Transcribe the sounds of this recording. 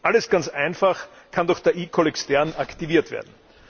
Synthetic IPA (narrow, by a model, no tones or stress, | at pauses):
ʔaləsɡ̥ant͡sʔæɪnfaχ | kʰandɔxd̥eɐʔiːkʰolɛkstɛɐnaktiviːɐtv̥ḛɐdn̩